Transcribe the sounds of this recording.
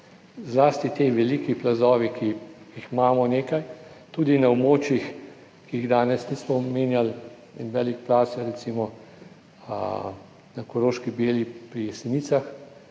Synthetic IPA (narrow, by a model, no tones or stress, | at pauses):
zlaːst̪it̪eʋɛlikiplazɔːʋikʰi | jixmaːmɔneːkajt̪uːd̪inaobmoːt͡ʃjix | kiiɣd̪aːnɛsniːsmɔmeːnjal | ɛnʋɛːlikplaːsɛɾɛt̪siːmɔ | nakɔɾoːʃkibeːlipɾisɛniːt̪sax